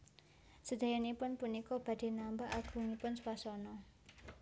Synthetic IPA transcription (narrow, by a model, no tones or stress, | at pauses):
səd̪̥a̤janipʊnpunikɔb̥ä̤d̪̥e̤nambaʔaɡ̥ṳŋipʊnswasɔnɔ